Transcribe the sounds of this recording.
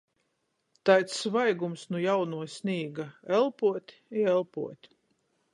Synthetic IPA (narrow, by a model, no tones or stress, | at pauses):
t̪ajt̪svajɡumsnujawnuɔsʲnʲiːɡaɛlˠpuɔt̪ʲ | iɛlˠpṵɔt̪ʲ